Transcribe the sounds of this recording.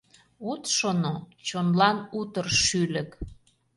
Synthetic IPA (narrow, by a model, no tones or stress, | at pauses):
ut̪ʃonot͡ɕonlɑnut̪ərʃylə̆k